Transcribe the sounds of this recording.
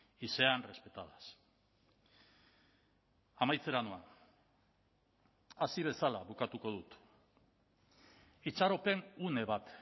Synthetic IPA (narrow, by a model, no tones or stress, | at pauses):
ise̞anre̞spe̞t̪aðas | amajt͡se̞ɾanoa | asiβ̞e̞salaβukat̪uko̞ðut̪ | it͡saɾo̞pe̞nune̞βat̪